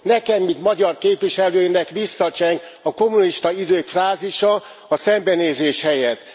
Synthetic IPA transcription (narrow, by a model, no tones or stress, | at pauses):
nɛkɛmːit̪mɒɟɒrkeːpʋiʃɛløːjnɛkʋisːɒt͡ʃɛŋk | ɒko̞muniʃt̪ɒid̪øːkfraːziʃɒ | ɒsɛmbɛneːzeːʃhɛjɛt̪ː